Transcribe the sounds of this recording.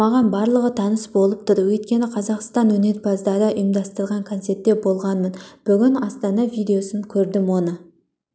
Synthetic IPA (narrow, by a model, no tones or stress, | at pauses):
mɑʁɑnbɑɾlˠəʁət̪ʰɑnəsbo̞lˠəp̚t̪ʰʊɾwɵjt̪̚kʲe̞nɪqʰɑzɑqst̪ɑnwɵne̞ɾpʰɑzd̪ɑɾəʔəjəmd̪ɑst̪əɾʁɑŋkʰont̪se̞ɾt̪ːe̞bo̞lˠʁɑnmənb̥ʏɡʲɪnɑst̪ɑnɑvijd̪e̞o̞səŋkʲʰɵɾd̪ɪmwo̞nə